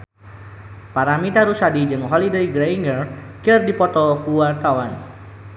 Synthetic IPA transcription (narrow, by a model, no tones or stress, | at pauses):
paɾamit̪aɾusadid͡ʒɨŋɦɔlidəjɡɾaiŋɡərkirdipɔt̪ɔkuwart̪awan